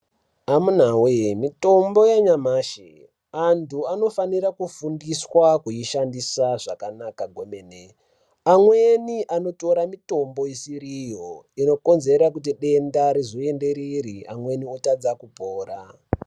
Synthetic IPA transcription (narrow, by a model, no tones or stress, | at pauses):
amun̤awemito̞mbo̞jaɲamaːʃḛ | antʰuano̞faniɾakufundiswakujiʃandisaʐakanakaɡʱo̞meːne | amwe̞niʔano̞to̞ɾamito̞mbo̞isiɾijo̞ino̞ko̞nze̞ɾak̬ut̬iɗe̞ndaɾizoe̞nde̞ɾiɾia̰mwe̞niotad͡zakupoːɾa